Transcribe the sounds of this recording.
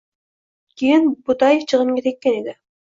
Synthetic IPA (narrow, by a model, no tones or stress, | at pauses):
kʲijinbut̪ɑjeft͡ʃʰɯʁəmkʲet̪ʰekːenid̪ɪ